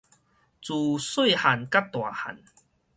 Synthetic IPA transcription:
t͡su˨swu˥˨ha˨˩nka˦˥p̚t̪wa˨˩ha̰˨˩n

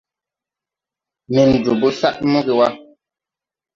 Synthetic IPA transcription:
me˨n̩˨d͡ʒo˨bo˦sa˦ʔmo˦ɡe˨wa˦

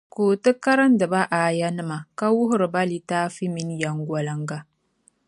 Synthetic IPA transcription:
koː˨tɨ˦ka˦ɾa˦n˦dɨ˨ba˦ʔaː˨ja˦nɨ˦ma˨ka˦wʊ˦ɦʊ˦ɾɨ˨ba˦li˨taː˦fi˦mi˨˦n˦ja˨ŋɡʷwa˨la˨ŋɡa˦

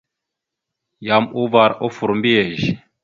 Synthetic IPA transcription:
ja˨mu˦va˨ɾo˦fu˨ɾmbi˦ɛ˨ʒ

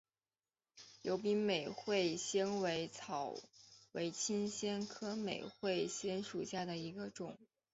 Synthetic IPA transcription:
jo˧˥ʊpi˥me˨˩ɪxwe˥˩ɪɕjɛ˥nwe˧˥ɪt͡sʰɑ˨˩˦ʊwe˧˥ɪt͡ɕʰi˥nɕjɛ˥nkʰɤ˥me˨˩ɪxwe˥˩ɪɕjɛ˥nʂu˨˩ɕja˥˩d̪ə˩i˧˥ɡə˧ʈ͡ʂʊ˨˩˦ŋ

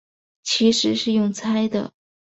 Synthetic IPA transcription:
t͡ɕʰi˧˥ʂɻ̩˧˥ʂɻ̩˥˧jʊ˥˩ŋt͡sʰa˥ɪd̪ə̰˨

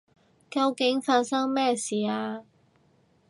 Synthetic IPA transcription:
kɐ˧wkɪ˨˥ŋfaː˧nsɐ˥ŋmɛː˥siː˨aː˧

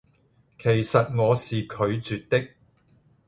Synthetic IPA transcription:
kʰe˨˩jsɐ˨t̚ŋɔː˨˧siː˨kʰɵ˨˧ɥt͡ʃyː˨t̚t̪ɪ˥k̚

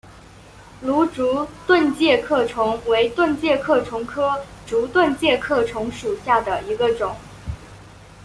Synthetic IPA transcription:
lu˧˥ʈ͡ʂu˧˥t̪wə˥˧nt͡ɕjɛ˥˧kʰɤ˥˩ʈ͡ʂʰʊ˧˥ŋwe˧˥ɪt̪wə˥˧nt͡ɕjɛ˥˧kʰɤ˥˩ʈ͡ʂʰʊ˧˥ŋkʰɤ˥ʈ͡ʂu˧˥t̪wə˥˧nt͡ɕjɛ˥˧kʰɤ˥˩ʈ͡ʂʰʊ˧˥ŋʂu˨˩ɕja˥˩d̪ə˩i˧˥ɡə˧ʈ͡ʂʊ˨˩˦ŋ

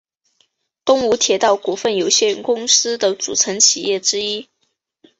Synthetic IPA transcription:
t̪ʊ˥ŋu˧˥t̪ʰjɛ˨˥t̪ɑ˥˩ʊku˨˩fə˥˩njo˨˩ʊɕjɛ˥˧˩nkʊ˥ŋsɹ̩˥d̪ə˨t͡sṵ˨˩ʈ͡ʂʰə˧˥ŋt͡ɕʰi˨˩jɛ˥˩ʈ͡ʂɻ̩˥i˥

